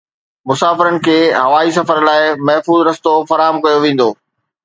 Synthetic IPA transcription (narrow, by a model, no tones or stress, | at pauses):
mʊsaːfɪɾənɪ̆kʰeːɦɐʋaːis̬ɐfəɾlaːɪmɐɦfuːzɾɐst̪ofɐɾaːɦəmkɐjoʋẽːn̆d̪oː